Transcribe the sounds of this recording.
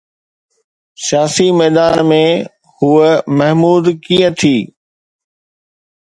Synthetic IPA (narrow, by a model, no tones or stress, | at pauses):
sijaːsimɛːd̪aːnmẽ | huːəmɐɦmuːd̪kiːə̃t̪ʰiː